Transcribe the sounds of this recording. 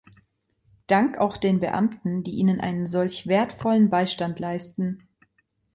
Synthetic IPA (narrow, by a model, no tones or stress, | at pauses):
d̥aŋka̰ʊxd̥eːnbə̰ʔa̰mtn̩d̥iːʔiːnənʔa̰ɪnənzɔlçv̥eːɐtfɔlənbaɪʃtantlaɪstn̩